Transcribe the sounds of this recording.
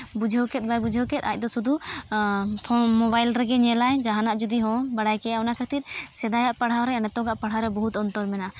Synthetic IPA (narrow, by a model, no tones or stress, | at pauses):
bud͡ʒʱɔkɛt̪̚bajbud͡ʒʱɔkɛt̪̚ac̚ˀd̪ɔsud̪u | t̪ʰɔmɔbajlɾɛɡɛɲɛlajd͡ʒaɦanaʔd͡ʒud̪iɦɔ̃baɽajkɛjaɔnakʰat̪iɾsɛd̪ajaʔpaɽ̤awɾɛanɛt̪ɔɡaʔpaɽ̤awɾɛbɔɦut̪ɔnt̪ɔɾmɛna